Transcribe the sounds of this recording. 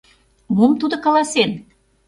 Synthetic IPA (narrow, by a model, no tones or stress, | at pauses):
momt̪ud̪ŏkɑlɑsen